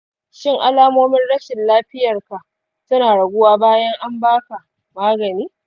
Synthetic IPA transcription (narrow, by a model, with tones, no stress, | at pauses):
ʃɪ˦ŋʔa˨laː˦moː˦mɪ˦nɽɐ˦ʃɪ˨nlaː˦ɸɪ˦jɐ˨rka˨ʔ | sʊ˦naː˨ɽɐ˨ɡʷʊ˦waː˦baː˦jɐ˦ŋʔa˦mbaː˦ka˨ | maː˦ɡɐ˨niː˦